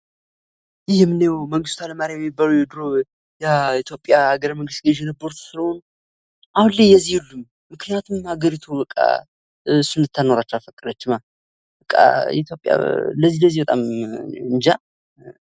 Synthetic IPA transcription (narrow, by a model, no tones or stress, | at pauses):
ʔɨjːɛmːɨnejwməŋɡɨst̪ʰaləmaɾjajɛmːibalujɛd̪ɨɾo | jɛit̪ʰjo̞pʼːjaaɡəɾməŋɡɨst̪̚ɡəʒɛnəboɾt̪sɨləho̞n | ʔahunlejjɛzːihulːumːɨknijat̪ʰumhaɡəɾit̪ʰubəkʼːa̰ | sund̪ɨt̪ʰːano̞ɾat͡ʃːɛwafəkʼəd̪ət͡ʃːɪma | bəkʼːa̰ɛ̰t̪ʰjo̞pʼja̰ləzːiləzːihbət̪ʼamɨnd͡ʒa